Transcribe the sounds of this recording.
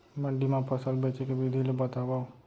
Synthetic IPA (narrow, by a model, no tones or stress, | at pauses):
məɖimãpʰəsəlbet͡ʃekeʋid̪ʱilebət̪abau